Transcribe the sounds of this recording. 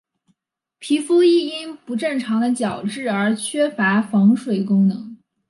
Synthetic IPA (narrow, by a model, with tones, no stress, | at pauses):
pʰi˧˥fu˥i˥˩i˥npu˧˥ʈ͡ʂɤ˥˩ŋʈ͡ʂʰɑ˧˥ŋd̪ə˧t͡ɕjɑ˨˩ʊʈ͡ʂɻ̩˥˩ə˞˧˥t͡ɕʰɥɛ˥fa˧˥fɑ˧˥ŋʂwe˨˩ɪkʊ˥ŋnɤ˧˥ŋ